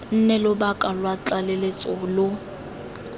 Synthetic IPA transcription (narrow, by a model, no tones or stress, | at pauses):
n̩nɛlʊbakʼalwat͡ɬʼalelet͡sʼʊlʊ